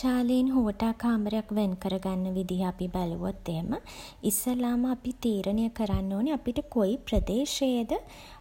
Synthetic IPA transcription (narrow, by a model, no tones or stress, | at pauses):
aːleinɦoʋəʈaːkʰaːməɾəjakʋenkəɾəɡanːəʋid̪iɦəapibæluʋot̪ːeɦemə | isəlaːməapit̪iːɾʔənəjəkəɾanːoːneapiʈəkoipɾəd̪eːʃed̪ə